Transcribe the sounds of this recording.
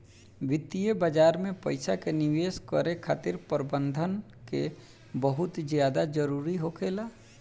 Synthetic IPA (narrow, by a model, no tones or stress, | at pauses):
wɪt̪ijəbad͡ʒaːɾmẽpəɪsakenɪʋeːskəɾekʰa̰ːt̪ɪɾpəɾbə̃nd̪ʱən | ke | bəɦʊt̪zjaːd̪ad͡ʒəɾuːɾiɦokʰeːlaː